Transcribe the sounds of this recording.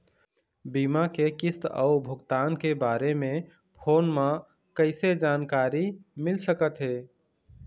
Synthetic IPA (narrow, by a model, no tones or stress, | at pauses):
biːmakekɪst̪ə̰ʊbʱʊɡt̪aːnkebaːɾemẽ | pʰoːnmã | kəɪsed͡ʒaːnkaːɾimɪlsəkət̪ɦeː